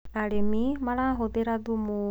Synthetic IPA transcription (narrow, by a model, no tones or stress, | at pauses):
aɽemimaɽãɦod̪eɾad̪umu